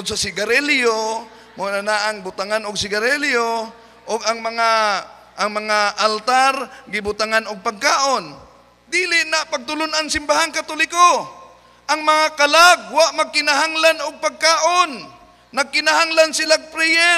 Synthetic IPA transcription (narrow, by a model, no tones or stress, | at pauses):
ʊdsasɪɡaɾɛljo | monanaʔaŋbʊt̪aŋanʊɡsɪɡaɾɛljo | ʔʊɡaŋmɐŋa | ʔaŋmɐŋaʔalt̪aɾɡɪbʊt̪aŋanʊɡ̚paɡ̚kaːʔon | d̪iːlɪʔnapaɡ̚t̪ʊlonaŋsɪmbahaŋkat̪olɪko | ʔaŋmɐŋakalaɡ̚waʔmaɡ̚kɪnaɦaŋlanʊɡ̚paɡ̚kaːʔonː | ɐɡ̚kɪnahaŋlansɪlapɾɛjɛ